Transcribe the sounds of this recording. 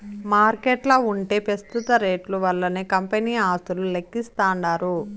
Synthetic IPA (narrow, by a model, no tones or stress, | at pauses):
maːɾkeːʈlɐːuɳʈe̞ːpɾɐst̪ut̪ɐɾe̞ːʈluʋɐlːɐneːkɐmpeniːaːst̪ululekːist̪aːɳɖaːɾu